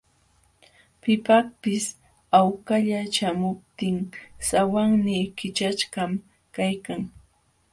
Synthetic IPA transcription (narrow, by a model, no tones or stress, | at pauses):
pɪpakpɪs | awkaʎat͡ʃamʊp̚t̪ɪŋsawaŋnɪkɪt͡ʃat͡ʃɢam | kajkaŋ